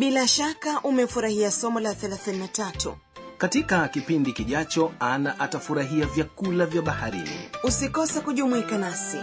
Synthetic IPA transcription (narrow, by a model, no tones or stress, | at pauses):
ɓilaʃakaʔumɛfuɾahiasɔmɔlaθɛlaθininatatṵ | katikakipindikiʄat͡ʃɔanaʔatafuɾaɦiavjakulavjaɓahaɾḭnḭusikɔsakuʄumuikanasi